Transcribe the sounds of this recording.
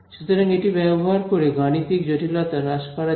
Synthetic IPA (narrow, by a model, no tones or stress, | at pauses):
ʃut̪oɾaŋeʈibɛboɦaɾkoɾeɡaɽ̃it̪ikd͡ʑoʈʰilɔt̪aɾaʃpaɾa